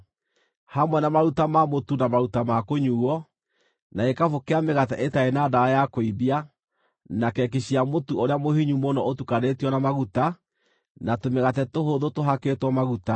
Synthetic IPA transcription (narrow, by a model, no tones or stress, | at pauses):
hamwɛnamaɾutamamotunamaɾutamakoɲuːɔ | naekafokeameɣatɛʔetaenaːdaajakoibia | nakɛk̬eɕiamotuoɾeamohiɲumɔnɔʔotukanetiɔnamaɣuta | natomeɣatɛtoɦoðotoɦaketwɔmaɣuta